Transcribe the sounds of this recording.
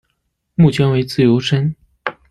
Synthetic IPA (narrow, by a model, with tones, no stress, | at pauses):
mu˥˩t͡ɕʰjɛ˧˥nwe˧˥ɪt͡sɹ̩˥˩jo˧˥ʊʂə˥n